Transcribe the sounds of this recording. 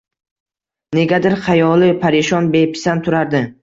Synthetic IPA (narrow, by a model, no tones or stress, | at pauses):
ne̞ɡʲad̪ɪɾqʰɑjɒlˠɪpʰaɾɪʃɒnbe̞pʰɪ̥sant̪ʰʊɾaɾd̪ɪ